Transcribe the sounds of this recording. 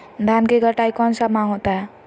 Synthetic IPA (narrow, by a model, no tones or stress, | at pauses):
d̪ʱankeɡəʈajkɔnsamaɦot̪a